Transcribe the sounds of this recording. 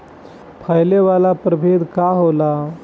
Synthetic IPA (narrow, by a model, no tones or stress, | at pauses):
pʰəjleʋalapɾəbʱed̪kaɦola